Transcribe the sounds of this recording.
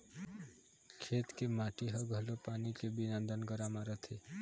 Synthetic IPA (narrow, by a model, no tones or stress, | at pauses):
kʰeːt̪kemaːʈiɦəɡʱəlopaːnikebinə̃nd̪ənɡəɾaːmaɾət̪ʰe